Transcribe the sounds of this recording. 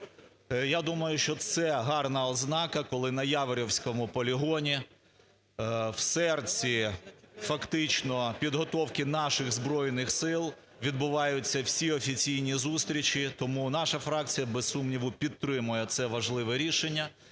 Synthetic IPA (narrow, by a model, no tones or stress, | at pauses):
jad̪umɐjʊʃt͡ʃɔt̪sɛɦɑrnɐɔznɑkɐkɔlˠɪnɐjɑʋeɾʲɔwsʲkɔmʊpɔlʲiɦɔnʲi | wsɛrt͡sʲifɐkt̪ɪt͡ʃnɔpʲid̪ɦɔt̪ɔwkɪnɑʃɪɣzbɾɔjnɪxsɪlˠ | ʋʲid̪̚bʊʋɑjʊt͡sʲːɐwsʲiɔfʲit͡sʲijnʲizust̪ɾʲit͡ʃit̪ɔmunɑʃɐfɾɑk̚t͡sʲijɐbessumnʲiʋʊpʲit̪ːɾɪmʊjɛt̪sɛʋɐʒlˠɪʋɛɾʲiʃenʲːɐ